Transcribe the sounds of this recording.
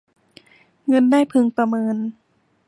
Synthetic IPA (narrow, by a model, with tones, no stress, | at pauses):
ŋɤ˧ndaː˥˩jpʰɯ˧ŋpɾa˧mɤː˧n